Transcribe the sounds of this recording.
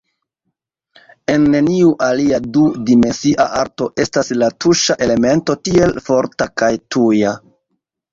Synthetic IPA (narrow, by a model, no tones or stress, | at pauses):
e̞nːe̞niuʔaliadudime̞nsiʔaʔaɾto̞ʔe̞staslatuʃaʔe̞le̞me̞nto̞tie̞lfo̞ɾtakajtuja